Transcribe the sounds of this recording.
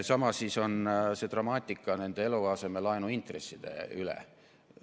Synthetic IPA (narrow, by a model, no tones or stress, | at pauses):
sɑmɑsːiso̞nse̞t̪rɑmɑːt̪ʲːˑikːˑɑne̞nd̪̥eeluɑse̞me̞lɑenuint̪resːid̪̥e̞̰ylḛ